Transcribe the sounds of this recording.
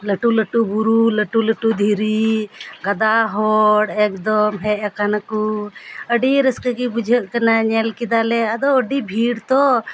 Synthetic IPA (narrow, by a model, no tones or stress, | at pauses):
ləʈuləʈubuɾuləʈuləʈud̪ʱiɾiɡad̪aɦɔɽɛk̚d̪ɔmɦɛʔ̚akanakuəɖiɾəskəɡibud͡ʒʱəʔ̪̚kanaɲɛlkid̪alɛad̪ɔəɖibʱiɽt̪ɔ